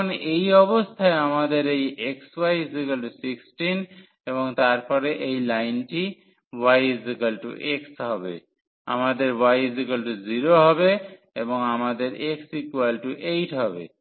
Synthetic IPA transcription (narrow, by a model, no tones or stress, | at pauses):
nʔejɔbost̪ʰaeamad̪eɾejekswajzikelʈusiksʈin | eβoŋt̪aɾpɔɾeʔejlajnʈi | wajzikelʈṵʔeksɦɔbḛ | a̰mad̪eɾwajzikelʈuziɾoɦɔbe | eboŋamad̪eɾeksikwelʈuʔejʈɦɔbḛ